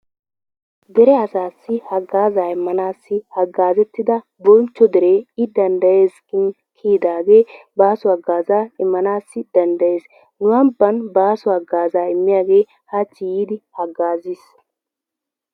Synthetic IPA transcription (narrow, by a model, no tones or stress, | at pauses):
d̪ɛɾɛɐsaːsːɪhɐɡaːzaːɪmːɐnaːsːɪhɐɡːaːzɛt̪ːɪd̪ɐ | bɔnt͡ʃːɔd̪ɛɾeːɪd̪ɐnd̪ɐje̞ːskɪn | kʰiːd̪aːɡe̞ːbaːsʊɐɡːaːzaːɪmːɐnaːsːɪd̪̥ɐnd̪ɐje̞ːs | nʊwɐbːɐnbaːsʊɐɡːaːzaːɪmːɪjaːɡe̞ː | hat͡ʃːɪjiːd̪ɪhɐɡːaːzis